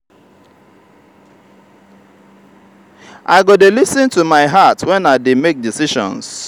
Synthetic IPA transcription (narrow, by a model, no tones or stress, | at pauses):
ʔa̰ɪɡodelisɪ̃ntumaɪɦatwɛ̃naɪdemek̚disiʃɔ̰̃ns